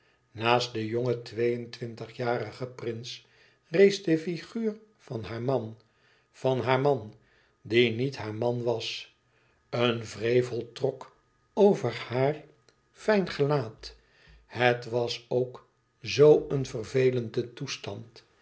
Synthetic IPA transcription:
naːstdəjoŋətʋejəntʋɪntəχjaːɾəχəprɪns | rejzdəfiχyːr | fɑnɦaːɹmɑn | vɑnɦaːɹmɑn | dinitɦaːɹmɑnʋɑs | ənvrejvəlˠtrɔk | owvəɹhaːr | fɛjnχəlaːt | hətʋɑsowk | zowənvərvejləndətustɑnt

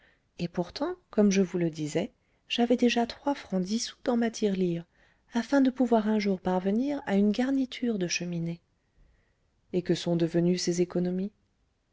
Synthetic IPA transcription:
epuʁt̪ɑ̃kɔmʒəvuləd̪izɛ | ʒ̥avɛd̪eʒat̪χwafχɑ̃d̪isu̥d̪ɑ̃mat̪ʰiʁliʁ | afɛ̃d̪əpuvwaʁɛ̃ʒuʁpaʁvəniʁaynɡaʁnit̪ʰyʁd̪əʃəmine | ekəsɔ̃d̪əvənysezekɔnɔmi

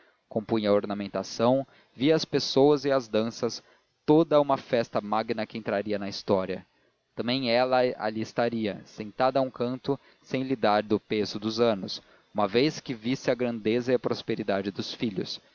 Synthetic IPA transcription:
kõmpũj̃ɐoɾnamẽnt̪asɐ̃w̃ | viɐspesowɐzɪɐzd̪ɐ̃sɐs | t̪od̪ɐũmɐfɛst̪ɐmaɡinɐkɪẽnt̪ɾaɾiɐnɐist̪ɔɾiɐ | t̪ɐ̃mbẽj̃ɛlɐa̰ʎiɪst̪aɾiɐsẽnt̪ad̪ɐũkɐ̃nt̪ʊ | sẽj̃lid̪aɾd̪ʊpezʊd̪ʊzɐ̃nʊs | ũmɐveskɪvisɪɐɡɾɐ̃nd̪ezɐɪɐpɾospeɾid̪ad͡ʒɪd̪ʊsfiʎʊ̰s

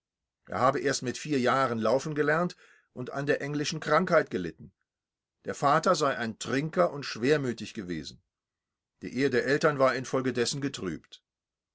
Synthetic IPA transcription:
ʔḛːɐɦaːbəʔeːɐstmɪtfiːɐjaːʁənlaʊfn̩ɡəlɛɐnt | ʔʊnta̰ndeːɐʔɛŋlɪʃn̩kʁ̥aŋkhaɪtɡ̥əlɪtn̩ | d̥eːɐfaːtɐzaɪʔaɪntʁ̥ɪŋkɐʔʊntʃv̥eːɐmyːtɪçɡ̥əvḛːzn̩ | d̥ḭːʔeːədeːɐʔɛltɐnvaːɐɪnfɔlɡədɛsn̩ɡətʁ̥y̰ːpt

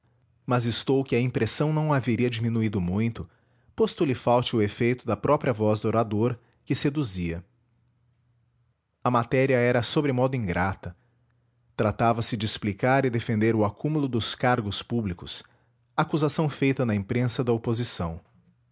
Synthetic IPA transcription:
mɐzɪst̪owkɪɐĩpɾesɐ̃w̃nɐ̃w̃aveɾiɐd͡ʒimĩnuid̪ʊmũj̃t̪ʊ | post̪ʊlɪfawt͡ʃɪʊefejt̪ʊd̪ɐpɾɔpɾiɐvɔzd̪oɾad̪oɾ | kɪsed̪uziɐ | ɐmat̪ɛɾiɐɛɾɐsobɾɪmɔd̪ʊĩŋɡɾat̪ɐ | t̪ɾat̪avɐsɪd͡ʒɪːsplikaɾɪd̪efẽnd̪eɾʊakumulʊd̪ʊskaɾɡʊspublikʊs | ɐːkuzasɐ̃w̃fejt̪ɐnɐĩpɾẽsɐd̪ɐopozisɐ̰̃w̃

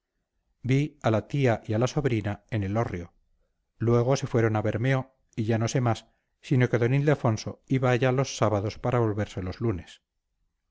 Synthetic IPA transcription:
bialat̪iaʔialaso̞βɾinae̞nelo̞rjo̞ | lwe̞ɣ̞o̞se̞fwe̞ɾo̞naβe̞ɾme̞o̞ | iʝano̞se̞masː | ino̞keðo̞nild̪efo̞nso̞iβaːʝalo̞sːaβaðo̞spaɾaβo̞lβe̞ɾse̞lo̞zlune̞s

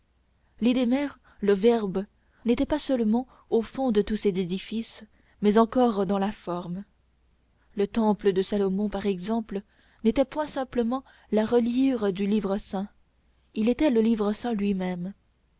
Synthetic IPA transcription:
lid̪emɛʁ | ləvɛʁb | net̪ɛpasəlmɑ̃ | ofɔ̃d̪ət̪usɛzed̪ifis | mɛzɑ̃kɔʁd̪ɑ̃lafɔʁm | lət̪ɑ̃pləd̪əsalɔmɔ̃paʁɛɡzɑ̃pl | net̪ɛpwɛ̃sɛ̃pləmɑ̃ | laʁəljiʁd̪ylivʁəsɛ̃ | ilet̪ɛləlivʁəsɛ̃lɥimɛm

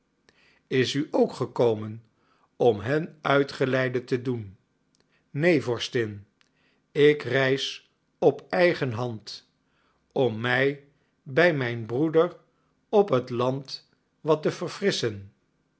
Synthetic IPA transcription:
ɪsyʔowkχəkowmən | ɔmɦɛnœɥtχəlɛjdətədun | ejvɔɹstɪn | ɪkrɛjs | ɔpɛjχənɦɑnt | ɔmːɛj | bɛjmɛjnbrudəɹ | ɔpɦətlɑnt | ʋɑtəvərfrɪsən

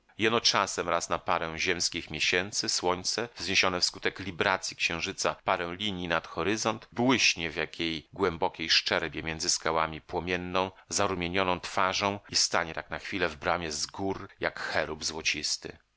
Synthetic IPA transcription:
jɛnɔt͡ʂasɛmɾasnapaɾɛw̃ʑɛmskʲixmʲjeɕɛnt̪sɘswɔɲt̪sɛvzɲeɕɔnɛfskut̪ɛklʲibɾat̪sʲjikɕɛ̃w̃ʐɘt̪sapaɾɛw̃lʲiɲjinat̪xɔɾɘzɔnt̪bwɘɕɲɛvjakʲʰejɡwɛmbɔkʲejʂt͡ʂɛɾbʲjɛmʲjɛnd̪zɘskawamʲipwɔmʲjɛnːɔ̃w̃zaɾumʲjeɲɔnɔ̃w̃t̪faʐɔ̃w̃ist̪aɲɛt̪aknaxfʲilɛvbɾamʲjɛzɡuɾjakxɛɾubzwɔt͡ɕist̪ɘ̰

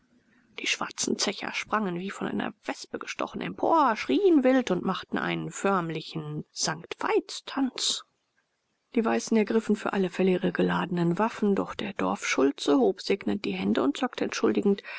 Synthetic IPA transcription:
d̥iːʃv̥a̰ɐt͡sn̩t͡sɛçɐ̰ʃpʁ̥aŋənviːfɔnʔa̰ɪnɐ̰v̥ɛspəɡəʃtʰɔ̰χn̩ɛ̰mpʰo̰ːɐʃʁ̥iːənvɪltʊntmaχtn̩ʔa̰ɪnənfœɐmlɪçn̩z̥aŋktv̥a̰ɪt͡stʰant͡s | d̥iːvaɪsn̩ɛɐɡʁɪfn̩fyːɐʔaləfɛləiːʁəɡəlaːdən̩ənvafn̩dɔχd̥eːɐdɔɐfʃʊlt͡səhoːpz̥eːknət̚d̥iːɦɛndəʊntt͡sɔk̚təɛ̰ntʃʊldɪɡŋ̩t

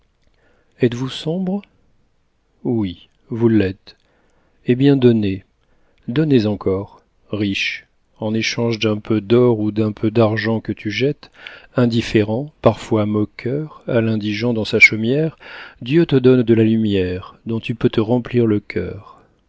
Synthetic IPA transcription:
ɛt̪vusɔ̃bʁ | wi | vulɛt̪ | ebjɛ̃d̪ɔne | d̪ɔnezɑ̃kʰɔʁ | ʁiʃ | ɑ̃neʃɑ̃ʒd̪ɛ̃pʰød̪ɔʁud̪ɛ̃pʰød̪aʁʒɑ̃kət̪ʰyʒɛt̪ɛ̃d̪ifeʁɑ̃paʁfwamɔkʲʰœʁalɛ̃d̪iʒɑ̃d̪ɑ̃saʃɔmjɛʁd̪jøt̪əd̪ɔnd̪əlalymjɛʁd̪ɔ̃t̪ypøt̪əʁɑ̃pliʁləkʲʰœ̰ːʁ

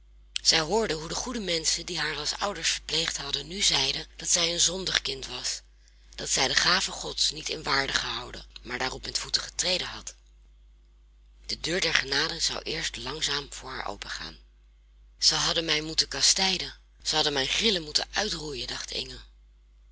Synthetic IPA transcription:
z̥ɛjɦʊːɹdəɦudəχudəmɛnsədiɦaːɹɑlˠsʌ̰wdəɹsfəɹplejχtɦɑdənyzɛjdəd̥ɑtsɛjənzɔndɑχkɪntʋɑs | d̥ɑtsɛjdəχaːvəχɔtsnitɪ̰nʋaːɹdəχəɦɑwdə̰maːɹdaːrɔpmɛtfutəχə̥trejdəɦɑt | d̥ədøːɹdɛɹχənaːdəz̥ɑ̰wʔɪːɹstlɑŋzaːmv̥ʊːɹɦa̰ːɹʔo̰wpəχa̰ːn | z̥əjɦɑdənmɛjmutəkɑstɛjdə | z̥əɦɑdəmɛjχrɪləmutə̰nʔœɥtrujəndɑχtʰɪ̰ŋəl

